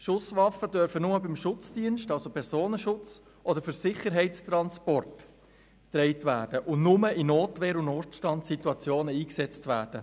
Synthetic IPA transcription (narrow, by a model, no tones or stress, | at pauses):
ʃʊsʋɑfədœɾfənʊməbɪmʃʊt͡sd̥iənʃtɑlsopʰɛɾsoːnəʃʊt͡s | ʔɔdəɾfʏɾsɪχəɾɦɛɪt͡stɾɑnspɔrt | tɾɛɪtvæːd̥əʔʊnnʊməinoːtʋɛːɾʊnoːʃtʃtɑntsituɑt͡sjoːnəiːksɛt͡stvæːɾd̥ə